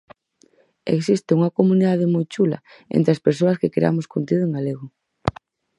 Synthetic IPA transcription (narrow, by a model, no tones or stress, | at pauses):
ḛksist̪euŋɐkomuniðað̞emojt͡ʃulɐ̰ | ḛnt̪ɾeaspeɾsoɐskekɾḛa̰mʊskont̪iðʊeŋɡaleɣʊ